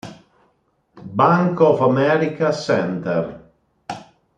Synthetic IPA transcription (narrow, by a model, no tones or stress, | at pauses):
baŋkɔfamɛɾikasɛnt̪ɛr